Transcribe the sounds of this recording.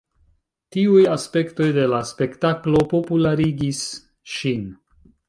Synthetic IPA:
tiujaspe̞kto̞jde̞laspe̞ktaklo̞po̞pulaɾiɡis | ʃin

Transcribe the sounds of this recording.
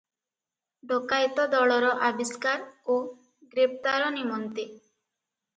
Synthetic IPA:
ɖokajt̪ɔd̪ɔɭɔɾɔʔabiskaɾo | ɡɾep̚ʰt̪aɾɔnimɔnt̪i

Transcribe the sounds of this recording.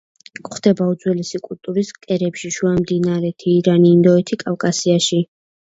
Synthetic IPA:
χd̪̥ɛbaud̪zwɛlɛsikʼult̪ʼuɾiskʼɛɾɛpʃiʃuamd̪inaɾɛt̪ʰiːɾaniːnd̪ɔɛt̪ʰikʼafkʼasiaʃi

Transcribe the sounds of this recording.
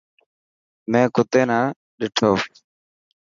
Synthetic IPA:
mẽːkʊt̪eːnãː | ɗɪʈʰoː

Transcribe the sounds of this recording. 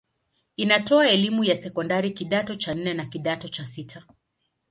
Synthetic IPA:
inatɔaɛlimujasɛkɔndaɾikiɗatɔt͡ʃan̩nɛnakiɗatɔt͡ʃasitʰa

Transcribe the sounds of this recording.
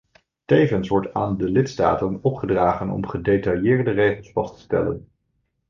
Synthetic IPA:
tejvənsʋɔɹta̰ːndəlɪtsta̰ːtənɔpχədraːχənɔ̰mχədejtɑjɪːɹdərejχəlˠsfɑstə̥stɛ̰lə̰n

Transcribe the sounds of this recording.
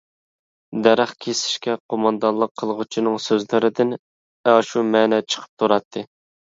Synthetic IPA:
d̪ɛɾæχkʲʰesɪ̥ʃkʲɛqʰomɑnd̪ɑnlˠəqʰːəlˠʁut͡ʃʰinɨŋsøzlɪɾɪd̪ɪn | ɛʃumɛːnɛt͡ʃʰə̥qʰə̥p̚t̪ʰuɾɑt̪ʰːɨ

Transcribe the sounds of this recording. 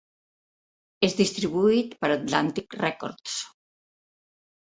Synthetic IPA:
ezðist̪ɾiβuit̪pəɾat̪lant̪ikrɛkɔ̰ɾt̪s

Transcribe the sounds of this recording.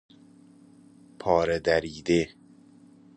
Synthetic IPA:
pʰɒːɾed̪æɾiːd̪e

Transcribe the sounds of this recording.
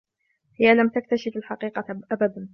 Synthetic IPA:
hɪjalamt̪ak̚t̪aʃɪfalħaqiːqɑʔabad̪an

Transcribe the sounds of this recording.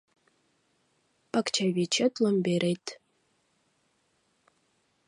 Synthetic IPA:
pʰakt͡ʃʰavʲit͡ʃʰɛtʼlɨmbeɾʔejtʰʼ

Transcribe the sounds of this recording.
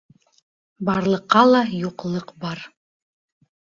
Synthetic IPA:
bɑɾlˠɤ̆qːɑlˠɑjuqlˠɤqbɑɾ

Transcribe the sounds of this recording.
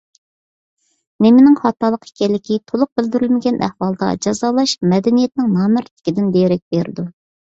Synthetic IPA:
nemɪnɪŋχɑt̪ːɑlˠːəqi̥kʲɛlːɪkʲit̪ʰolˠʊq̚bɪld̪yɾylmɪɡʲɛnʔæ̰hwɑlˠd̪ɑ̰d͡ʒɑzɑːlˠɑʃmɛd̪ɛnijɛt̪nɪŋnɑːmɨɾt̪ʰɪ̥kʲid̪ɪnd̪ejɾɛk̚ʲbeɾɪd̪u

